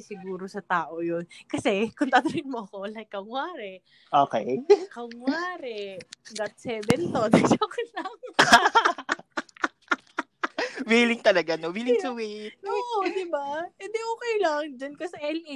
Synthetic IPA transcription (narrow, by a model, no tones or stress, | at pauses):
sɪɡuːɾosɐt̪aːʔojonkɐsɛkʊnt̪at̪ɐɾɪŋmoʔɐko̞lɐjkːɐŋwaːɾɛ | ʔoːkɛjkɐŋːwaːɾɛɡ̪ɐt̪̚sɛbɛnt̪od̪ɐsoːkɛjlɐŋ | wiːlɪŋt̪ɐlɐɡanowiːlɪŋsɐwioʔod̪ɪbaɛd̪ɛʔoːkɛjlɐŋd͡ʒɐnkɐsɐʔɛli